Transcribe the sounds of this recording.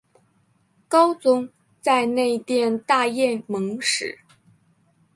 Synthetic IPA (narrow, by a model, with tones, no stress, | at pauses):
kɑ˥ʊt͡sʊ˥ŋ | t͡sa˥˧ɪne˥˧ɪ˧t̪jɛ˥˧nt̪a˥˧jɛ˥˩mɤ˧˥ŋʂɻ̩˨˩˦